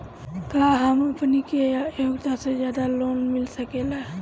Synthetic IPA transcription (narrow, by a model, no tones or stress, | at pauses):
kaːɦəmɐpnikejoːɡt̪asezjaːd̪aloːnmɪlsɐkela